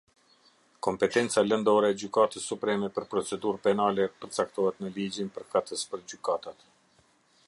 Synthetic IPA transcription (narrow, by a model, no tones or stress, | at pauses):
kɔmpɛt̪ɛnt͡salənd̪ɔɾɛːd͡ʑykat̪əsːupɾɛmɛpəɾpɾɔt͡sɛd̪uɾpɛnalɛpəɾt͡sak̚t̪ɔhɛt̪nəlid͡ʑinpəɾkat̪əspəɾd͡ʑykat̪at̪